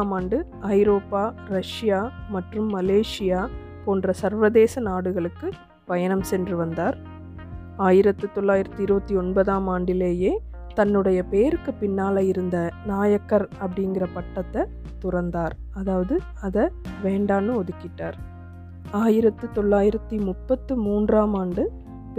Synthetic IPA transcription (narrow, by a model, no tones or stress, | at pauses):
aːmaːɳɖɯ | ɐɪɾoːpːaːɾɐʂɪjaːmɐʈrɯmːɐleːʂɪjaː | poːndrɐsɐɾʋɐðeːsɐnaːɽɯɣɐɭɯkːɯ | pɐjɐnɐmsɛndrɯʋɐnd̪aːɾ | aːjɪɾɐt̪ːɯt̪ɔɭːaːjɪɾɐt̪ːɯɪɾɯbɐt̪ːiɔnbɐðaːmaːɳɖɪleːjeː | t̪ɐnːɯɽɐjɐpeːɾɯkːɯpɪnːaːlɐjɪɾɯnd̪ɐnaːjɐkːɐɾɐpːɐɽɪŋɡɪrɐpɐʈːɐt̪ːɛ | t̪ʊrɐnd̪aːɾɐðaːʋɐðɯ | ɐðɐʋeːɳɖaːnɯɔðɯkːɪʈːaːɾ | aːjɪɾɐt̪ːɯt̪ɔɭːaːjɪɾɐt̪ːimʊpːɐt̪ːɯmuːndraːmaːɳɖɯ | p